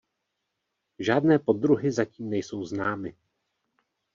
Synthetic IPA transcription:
ʒaːdnɛːpo̞d̪ɾuɦɪzaciːmnɛjso̞wznaːmɪ

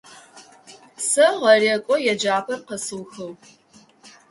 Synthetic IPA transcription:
sɨʁɐrekʷʼɔjɛd͡ʒaːpʰɐrqəsɨwxɐw

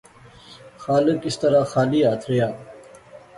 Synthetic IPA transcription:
xaːlɪkɪst̪əɾaːxaːliːaːt̪ʰɾɪjaː

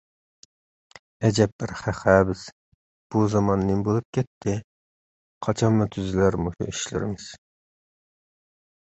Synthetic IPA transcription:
ɛd͡ʒɛp̚b̥ɪɾχæχæːbɪz | b̥uzɑmɑnːɨnbolˠɨp̚kʲɛt̪ʰːɪ | qʰɑt͡ʃʰɑnmʊt̪ʰyzɪlæɾmuʃṵiʃlɪ̰ɾɪmɪz̥

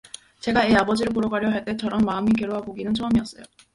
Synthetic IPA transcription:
t͡ɕe̞ɡaeabʌd͡ʑiɾɯɭkuɾʌɡaɾjʌɦaɭt͈e̞t͡ɕʌɾʌnmaɯmik̬eɾoɦaɡoɡinɯnt͡ɕʰʌʌmiʌs͈ʌjo

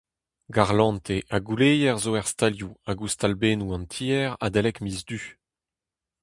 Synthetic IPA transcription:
ɡaʁlɑ̃nt̪ʰeʔaɡuleːjɛʁzoaʁst̪aljuaɡust̪albeːnuɑ̃nt̪ʰiɛʁa̰d̪ɛlɛkmizd̪y

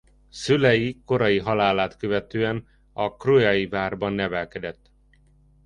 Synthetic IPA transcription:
sylɛjiko̞ɾɒjiɦɒlaːlaːt̪køvɛt̪øːɛn | ɒkrojɒjivaːrbɒnːɛvɛlkɛd̪ɛt̪ː

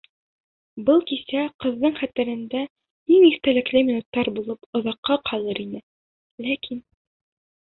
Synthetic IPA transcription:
bɤlˠkisæqɤ̆zðːɤɴχæt̪ɘ̆ɾɘ̆nd̪æ | iŋist̪ælɘ̆klɘminut̪ːɑɾbulˠɤpŏðɑqːɑqʰɑlˠɤɾinɘ | lækʰin

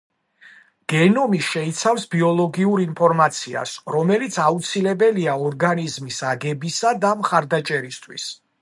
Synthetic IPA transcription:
ɡ̥ɛnɔmiʃɛit̪sʰafsbiɔlˠɔɡiuɾinpʰɔɾmat̪sʰia̰sɾɔmɛlit̪sʰaut̪sʰilɛbɛliaɔɾɡanizmisaɡɛbisad̪amχaɾd̪at͡ʃʼɛɾist̪ʰʼwḭs

